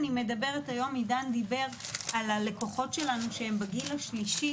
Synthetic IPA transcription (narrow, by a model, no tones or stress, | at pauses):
nime̞dabe̞ʁetajo̞midandibe̞ʁalale̞ko̞χo̞tʃe̞lanuʃeembaɡilaʃliʃi